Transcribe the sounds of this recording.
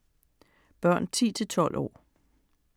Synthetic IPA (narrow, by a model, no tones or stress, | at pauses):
b̥ɶɐ̰nt͡sʰḭːt͡sʰe̝lt͡sʰɒ̽l̰ʔɒ̰ː